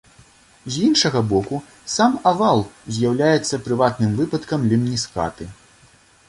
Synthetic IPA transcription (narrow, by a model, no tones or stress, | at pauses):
zʲinʂɐɣɐbɔku | samavalˠzʲjawlʲajɛt̪sːɐpɾɨvat̪nɨmvɨpɐt̪kɐmlʲimnʲiska̰t̪ɨ